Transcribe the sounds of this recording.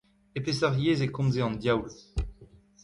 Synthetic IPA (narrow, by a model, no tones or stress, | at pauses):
epesaʁjeːzekɔ̃mzeɑ̃nd̪jawl